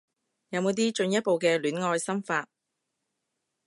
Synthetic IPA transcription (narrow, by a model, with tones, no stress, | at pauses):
jɐ˨˧wmo˨˧wt̪iː˥t͡ʃɵ˧njɐ˥t̚po˨wkɛː˧lyː˨˥nŋɔː˧jsɐ˥mfaː˧t̚